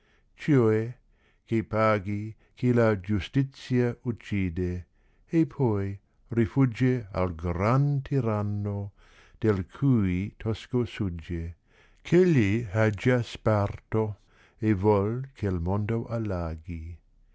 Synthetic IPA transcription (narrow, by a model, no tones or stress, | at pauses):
t͡ʃoɛ | kepaːɡi | kʰelad͡ʒust̪it̪sjaut͡ʃːiːd̪eː | pʰɔj | rifud͡ʒea̰lɡɾant̪ʰiɾanːo | d̪̥elkʰuit̪ʰɔskosud͡ʒe | kʰeʎːiad͡ʒaspart̪o | evɔlkʰelmond̪oʔalːaːɡi